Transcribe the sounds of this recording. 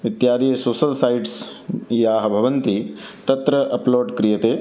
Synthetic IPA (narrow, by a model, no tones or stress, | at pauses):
ʋit̪jaːd̪ijɐsoːsɐlsajɖsjaːɦɐbʱɐʋɐnt̪it̪ɐt̪ɾɐʔɐploːɖkɾijɐt̪eː